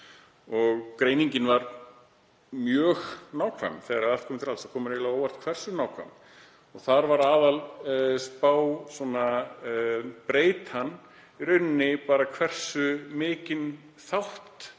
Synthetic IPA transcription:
ɔɣkɾeːjniɲcɪnvaɾ | mjœːɣnaːwkʰva̰mθɛɣaɾaðalt̪kʰɔmɪnt̪ʰɾalsakʰɔːmʏɾelaoːwvar̥t̪kʰvɛr̥sʏnaːwkʰva̰m | ɔɣθaɾvaɾaːðalspaːwsɔna | pɾeːjt̪hanː | ɾʏɥnːɪpaːɾakʰvɛr̥sʏmɪːcɪn | θawht̪

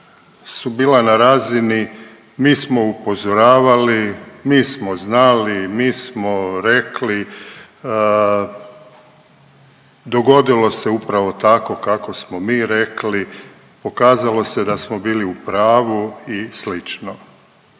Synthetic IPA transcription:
subiːlanaɾaːzini | miːsmo̞upo̞zoɾaːʋalimiːsmo̞znalimiːsmoɾekli | d̪o̞ɡo̞d̪ilo̞se̞upɾaʋo̞t̪ako̞kako̞smo̞miːɾekli | po̞kaːzalˠo̞se̞d̪asmo̞biːliupɾaːʋuislit͡ʃno

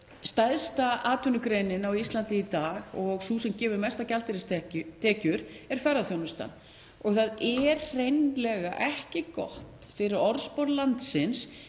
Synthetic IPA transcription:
st̪ajðst̪aʔaːt̪vʏnʏkɾejnɪnawist̪lant̪ɪit̪aːɣɔɣsusɛmcɛːvʏɾmɛst̪acalt̪ɪɾɪst̪ɛcʏt̪ʰɛːcʏɾɛɾ̥fɛɾːaθjownʏst̪a̰nː | ɔɣθaðɛɾrejnlɛɣaʔɛhcɪkɔ̰ht̪fɪɾɪɾɔɾspɔɾlant̪sɪns

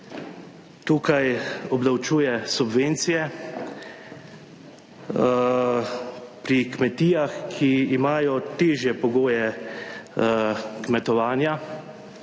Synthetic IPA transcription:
t̪uːkajɔbd̪awt͡ʃuːjɛsubʋent̪sijɛ | pɾikmɛt̪iːjaxkʰiːmaːjɔt̪eːʒjɛpɔɡoːjɛ | kmɛt̪ɔʋaːnja

